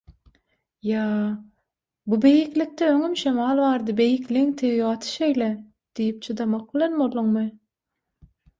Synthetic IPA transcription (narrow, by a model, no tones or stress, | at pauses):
jɑː | bube̞jiklik̚t̪eøŋymʃemɑːlˠβɑːɾd̪ɯbe̞jikliŋt̪ʰewiβɑt̪ʰɯ̥ʃe̞jle | d̪̥ijip̚t͡ʃʰɯd̪ɑmɑq̚bilenbolˠuŋmɯ